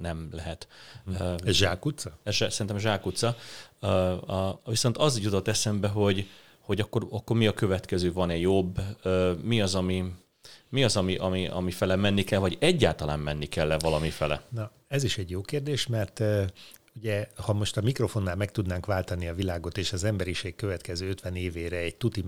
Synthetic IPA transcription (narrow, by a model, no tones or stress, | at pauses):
nɛmlɛɦɛt̪ː | ɛʒaːkut̪sɒɛʒɛsɛɾint̪ɛmʒaːkːut̪sɒ | viso̞nt̪ɒzjut̪o̞t̪ːɛsɛmbɛɦo̞ɟ | ho̞ɟɒkːo̞rɒkːo̞rmiɒkø̞vɛt̪kɛzøːvɒnɛɟjobːøːmiɒzɒmi | miɒzɒmiʔɒmiɒ̰mifɛlɛmɛnːikɛlvɒɟɛɟːaːlt̪ɒlaːmːɛnːikɛlːɛvɒlɒmifɛlɛ̰nɒ | ɛziʃɛɟjoːkeːrd̪eːʃmɛrt̪ | uɟɛhɒmo̞ʃt̪ɒmikro̞fo̞nːaːlmɛk̚t̪ud̪naːŋkʋaːlt̪ɒniɒvilaːɡo̞t̪eːʃɒzɛmbɛɾiʃeːkkːøvɛt̪kɛzøːøt̪ʋɛneːveːɾɛɛɟ̚t̪ut̪i